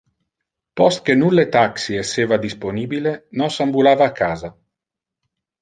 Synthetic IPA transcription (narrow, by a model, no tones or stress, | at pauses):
pɔst̪̚kenulːet̪aksiesːeːvad̪isponiːbilenɔsambulaːvaːkːaːza